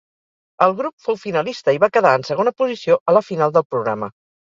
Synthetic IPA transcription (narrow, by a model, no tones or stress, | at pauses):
əlˠɣɾupfowfinəlist̪əiβakəðaənsəɣ̞onəpuzisioʔələfinalˠd̪əlˠpɾuɣɾa̰mə